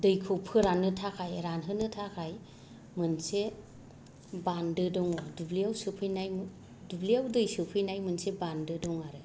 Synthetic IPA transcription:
dɯjkʰɔpʰɯɾanːɯtʰakʰajɾanɦɯnɯtʰakʰaj | mɯnse | bandɯdɔŋɔdubliawsɯpʰɯjnajm | dubliawdɯjsɯpʰɯjnajmɯnsebandɯdɔŋaɾɯ

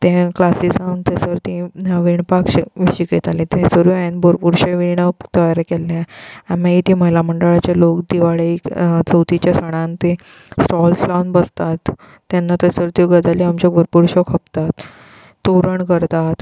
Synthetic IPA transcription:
t̪ẽklasisaunt̪əsəɾt̪ĩʋiɳpakɕʋɕiket̪alĩt̪ɛ̃səɾuanboɾpuɽɕẽʋiɳət̪əjaɾekelːeaamait̪ʰĩməɦilaməɳɖəɭat͡ɕalokd̪iʋaɭet͡səwt̪it͡ɕjasəɽ̃ant̪ẽ | sʈɔlslanbəst̪at̪ː | anːat̪əsəɾt̪iɡəd͡zaliamt͡ɕaɡʱoɾpuɾɕɔkʰəp̚t̪at̪ː | oɾəɳkəɾt̪at̪

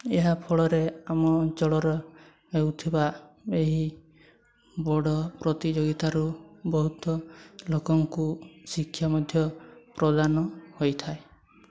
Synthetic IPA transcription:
eɦapʰɔɭɔɾeamɔt͡ʃɔɭɔɾɔ | ewt̪ʰibaeɦi | bɔɽɔpɾɔt̪id͡ʒoɡit̪aɾubɔɦut̪ɔlokɔŋkusikʰːjamɔd̪ʱjɔpɾɔd̪anɔhojt̪ʰae

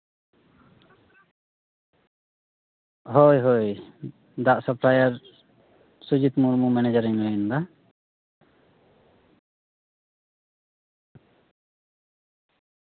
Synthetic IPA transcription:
ɦojɦoj | d̪aʔsəpʰlajaɾ | sud͡ʒit̪muɾmumɛnɛd͡ʒaɾiɲmand̪a

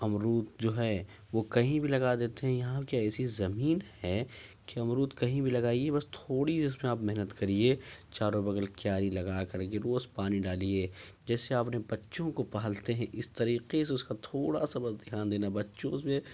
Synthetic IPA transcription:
ɐmɾuːt̪̚d͡ʒoːɦɛ | ʋokɐɦĩbʱilɐɡad̪eːt̪eɦɛ̃jɐɦãkiɛːsizɐmiːnhɛ | keɐmɾuːt̪kɐɦĩbʱilɐɡaːiebɐst̪ʰoːɽid͡ʒɪsmẽaːpmɛɦnət̪kɐɾiet͡ʃaːɾobɐɡəlkjaːɾilɐɡakɐɾk̬eɾoːspaːniɖaːlieːd͡ʒɛːseaːpnebɐtːʃõkopɐɦəlt̪eɦɛ̃ʔɪst̪ɐɾiːqeseʊskat̪ʰoːɽasabɐzd̪ɪjaːnd̪eːnabɐtːʃõsmẽ

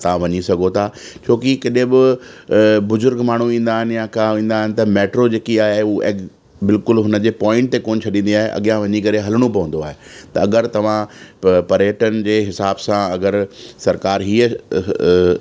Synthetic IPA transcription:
t̪ɐʋãʋɐɲisɐɡʱot̪ʰaːt͡ɕʰoːkikɐɗẽbɪ | bʊzʊɾɡmaːɳ̤uĩːn̆d̪aːɦɪnɪ̆jãkaʋĩːn̆d̪aːɦɪnɪ̆t̪ɐmeːʈɾod͡ʑeːkiaːɦeuʔḛː | bɪlkʊlɦʊnəd͡ʑeːpɔːɪ̃ɳʈt̪ekoːnt͡ɕʰɐɗĩːn̆d̪iaːɦeʔɐ̰ɠijãʋɐɲikɐɾeɦɐləɽ̃õpɐʋə̃n̆d̪oaːɦet̪ɐɐɡəɾt̪ɐʋ̤ãpɐɾeːʈənɪ̆d͡ʑeːɦɪsaːbsãɐɡəɾsɐɾkaːɾɦiːə

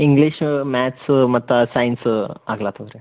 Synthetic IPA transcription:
iŋɡliʃmaːt̪smɐt̪ːusɐjnsaːɡlaːt̪ɐʋɾe

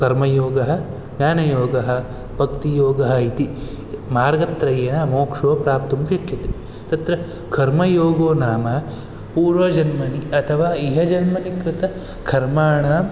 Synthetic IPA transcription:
kɐɾmɐjoːɡɐɦɐ̆ | njaːnɐjoːɡɐɦɐ̆ | b̥ʱɐkt̪ijoːɡɐɦɐit̪i | maːɾɡɐt̪ɾɐjeːnɐmoːkʂoːpɾaːp̚t̪umʃɐkʰjɐt̪e | t̪ɐt̪ɾɐ | kʰɐɾmɐjoːɡoːnaːmɐ | puːɾʋɐd͡ʒɐnmɐniɐt̪ʰɐʋaːiɦɐd͡ʒɐnmɐnikɾɪt̪ɐ | kʰɐɾmaːɳɐː

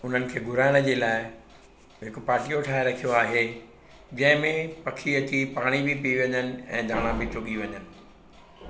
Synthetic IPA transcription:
ʊn̤ənɪ̆kʰeːɡʱʊɾaːɪɽ̃ə̆d͡ʑeːlaːɪ | ɦɪkʊpaːʈijoʈʰaːɦɪɾɐkʰijoaːɦe | d͡ʑɐ̃ɦɪ̃mẽpɐkʰiɐt̪ʰipaːɽ̃ibɪpiiʋɐ̃ɲənɪ̆ɛ̰̃ːd̪ʱaːɽ̃ãbʱɪt͡ɕʊɠiʋɐɲənɪ̆

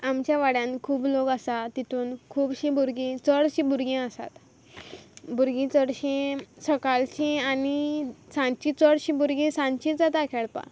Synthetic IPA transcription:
amt͡ɕjaʋaɽjãnkʰuːbloɡasat̪it̪ʰuːnkʰuːbɕĩbuɾɡĩt͡səɽɕĩbuɾɡẽəsa̰t̪ | buɾɡĩt͡səɽɕĩsəkalɕĩanisãɲt͡ɕit͡səɽɕĩbuɾɡẽsãɲt͡ɕĩd͡zat̪akʰɛɭpa̰

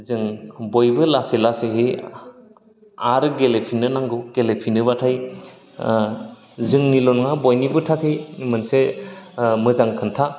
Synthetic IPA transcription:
zɯŋbojbɯlaselaseɦe | aɾɯɡelepʰinɯnaŋɡɯɡ̥elepʰinɯbatʰaj | zɯŋnilɔnŋabɔjnibɯtʰakʰejmɯnse | mɯzaŋkʰɯntʰa

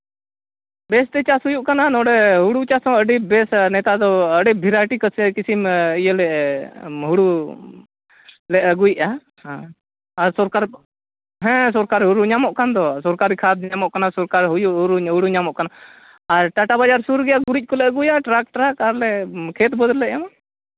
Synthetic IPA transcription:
bɛst̪ɛt͡ʃasɦujuʔkananɔɖɛɦuɽut͡ʃasɔ̃əɖibɛsnɛt̪ad̪ɔəɖibʱiɾajʈikəsəkisimijəlɛʔ | ɦuɽu | lɛʔəɡujʔa | hãː | ɾsɔɾkaɾ | ɦɛ̃sɔɾkaɾɦuɾuɲamɔʔkand̪ɔsɔɾkaɾikʰad̪ɲamɔʔkanasɔɾkaɾɦujuʔɦuɾuɦuɽuɲamɔʔkanaː | ɾʈaʈabad͡ʒaɾsuɾɡɛjaɡuɾic̚ˀkɔlɛʔəɡujaʈɾak̚ʈɾakaɾlɛkʰet̪bəd̪ɾlɛʔjama

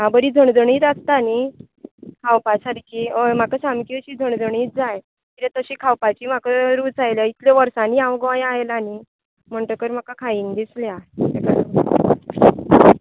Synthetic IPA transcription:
abəɾiːd͡zʱəɳd͡zʱəɳiːt͡s̪ast̪aani | kʰawpasad̪ikʰiːəm̤akəsamkiɕiːd͡zʱəɳd͡zʱəɳiːt̪d͡zaj | k̪iɾẽt̪əɕiːkʰawpat͡ɕiːm̤akəɾuːt͡sajljait̪ljaʋəɾsãniãwɡʋajaelani | m̤əɳʈəkəɾm̤akakʰajiŋɡd̪isljaekaɽə

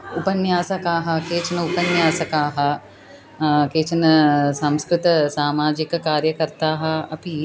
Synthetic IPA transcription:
upɐnjaːsɐkaːɦɐ̆keːt͡ʃɐnɐupɐnjaːsɐkaːɦɐ̆ | keːt͡ʃɐnɐsãmskɾɪt̪ɐsaːmaːd͡ʒikɐkaːɾjɐkɐɾt̪aːɦɐ̆ɐpi

